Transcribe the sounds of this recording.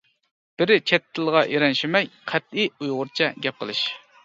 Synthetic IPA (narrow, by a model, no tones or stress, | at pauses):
b̥ɪɾɪt͡ʃʰɛt̪ʰːɪlˠʁɑʔiɾɛnʃimɛjqʰæt̪̚iujʁʊɾt͡ʃʰɛɡʲɛp̚qʰə̰lˠɨʃ